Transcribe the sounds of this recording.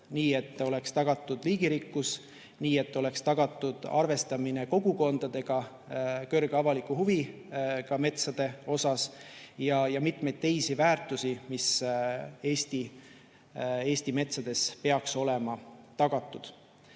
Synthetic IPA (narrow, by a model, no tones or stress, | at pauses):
niːe̞t̪ːˑo̞le̞kst̪ɑɡ̥ɑt̪ːˑud̪̥liːɡ̥iɾikːus | niːe̞t̪ːo̞le̞kst̪ɑɡ̥ɑt̪ːˑud̪̥ɑ̰rve̞st̪ɑmineko̞ɡuko̞nd̪̥ɑd̪̥e̞ɡ̥ɑ | kø̞rɡ̥ɑvɑlikːˑuhuvi | kɑme̞t̪sɑd̪̥e̞o̞sɑsjɑjɑmit̪me̞jd̪̚t̪e̞jsivæːrt̪ːˑusimis | e̞ːst̪i | e̞ːst̪ime̞t̪sɑd̪̥e̞spe̞ɑkso̞le̞mɑt̪ɑɡ̥ɑt̪ˑːud̪̥